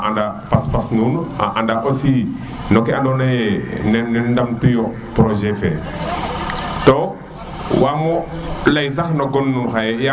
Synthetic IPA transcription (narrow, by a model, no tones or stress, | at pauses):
ʔandapaspasnuna̰ʔandaʔosi | nokɛandonajnnɛndamtujo | pɾoʒɛfɛ̰ | to | wamɔlajs̬axnoɡonːunxajeja